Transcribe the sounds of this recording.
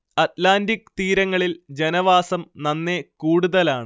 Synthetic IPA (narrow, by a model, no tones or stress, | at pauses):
ɐtlaːndikt̪iːɾɐŋːɐɭild͡ʑe̞nɐʋaːsɐmnɐnːe̞kuːɽuðɐlaːɳɨ